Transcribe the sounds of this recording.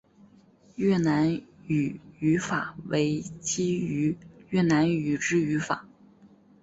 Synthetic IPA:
jɥɛ˥˩na˧˥ny˨˩y˧˥fa˨˩we˧˥ɪt͡ɕi˥y˧˥ɥɛ˥˩na˧˥ny˨˩ʈ͡ʂɻ̩˥y˧˥fa̰˨˩˦

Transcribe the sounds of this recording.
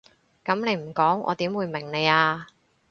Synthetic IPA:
kɐ˨˥mne˨˧jm̩˨˩kɔː˨˥ŋʔɔ̰ː˨˧t̪iː˨˥mwuː˨˧jmɪ˨˩ŋne˨˧jaː˧

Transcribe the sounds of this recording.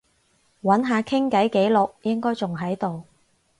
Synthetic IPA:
wɐ˨˥nɦaː˨˧kʰɪ˥ŋkɐ˨˥jke˨˥jlʊ˨k̚jɪ˥ŋkɔː˥jt͡sʊ˨ŋɦɐ˨˥jt̪o˨w

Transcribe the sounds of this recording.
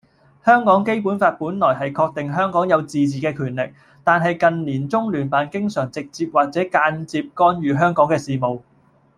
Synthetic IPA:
hœː˥ŋkɔː˨˥ŋke˥jpuː˨˥nfaː˧t̚puː˨˥nlɔː˨˩jɦɐ˨jkʰɔː˧k̚t̪ɪ˨ŋɦœː˥ŋkɔː˨˥ŋjɐ˨˧wt͡siː˨t͡siː˨kɛː˧kʰyː˨˩nlɪ˨k̚ | t̪aː˨nɦɐ˨jkɐ˨nliː˨˩nt͡sʊ˥ŋlyː˨˩npaː˨˧nkɪ˥ŋsœː˨˩ŋt͡sɪ˨k̚t͡siː˧p̚waː˨k̚t͡sɛː˨˥kaː˧nt͡siː˧p̚kɔː˥nɥyː˨˧ɦœː˥ŋkɔː˨˥ŋkɛː˧siː˨˩mo˨˩w

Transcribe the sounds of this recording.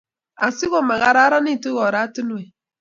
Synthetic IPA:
a˨si˦ɣo˦˨ma˨ɣa˨ɾa˦ɾa˦ni˦˨tu˦ɣɔ˨ɾa˦ti˦nwe˨

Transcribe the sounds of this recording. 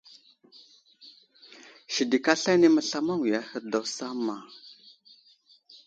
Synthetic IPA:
ʃi˨di˨ka˦ɬa˦ni˦ma˦ɬa˦ma˦ŋwi˨ja˦hə˦ɾda˨wsa˦ma˨

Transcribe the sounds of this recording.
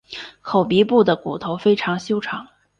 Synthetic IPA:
kʰo˨˩ʊpi˧˥pu˥˩d̪ə˩ku˨˩t̪ʰo˧˥ʊfe˥ɪʈ͡ʂʰɑ˧˥ŋɕjo˥ʊʈ͡ʂʰɑ˧˥ŋ

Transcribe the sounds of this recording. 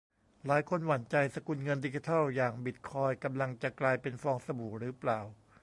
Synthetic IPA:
laː˨˦jkʰo˧nwa˨˩˦nt͡ɕa˧jsa˧ku˧nŋɤ˧ndi˧t͡ɕi˧t̪ʰɔ˥˩wjaː˨˩ŋbi˨˩t̪̚kʰɔː˧jka˧mla˧ŋt͡ɕa˨˩klaː˧jpe˧nfɔː˧ŋsa˧buː˨˩˦ɾɯː˨˦˥plaː˨˩w

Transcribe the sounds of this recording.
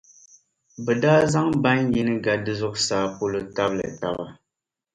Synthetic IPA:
bɛ˨daː˦za˦ŋba˦nji˦nɨ˦ɡa˨dɨ˦zʊ˦ʔsaː˨po˦lɨ˨ta˦blɨ̰˨ta̰˨ba˦

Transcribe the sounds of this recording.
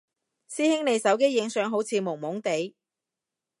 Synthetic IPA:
siː˥hɪ˥ŋne˨˧jsɐ˨˥wk̬e˥jːɪ˨˧ŋsœː˨˧ŋɦo˨˥wt͡sʰiː˨˧mʊ˨˩ŋmʊ˨˥ŋt̪e˨˥j

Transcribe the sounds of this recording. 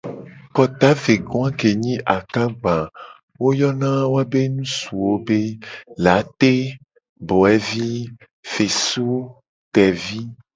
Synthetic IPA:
kɔ˨t̪a˦ve˨ɡɔ˦ã˦ke˨ɲĩ˦ʔa˨kã˦ɡ͡bã˨ | wo˦jɔ˦nã˦wo˦a˦be˦nũ˦su˨wo˦be˦la˨˦t̪e˦ | bɔ˨ɛ˦vi˦ | fe˨su˦ | t̪ɛ˨vi˦

